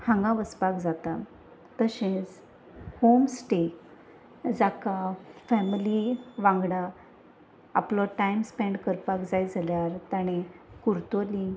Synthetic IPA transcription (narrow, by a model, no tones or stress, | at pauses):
hãŋɡãʋəspakd͡zat̪a | t̪əɕẽt͡s | homsʈek | d͡zakafɛmiliʋãŋɡɽa | a̰plɔʈajmspɛ̃ɳɖkəɾpakd͡zajd͡zaljaɾt̪aɽ̃ekuɾt̪oli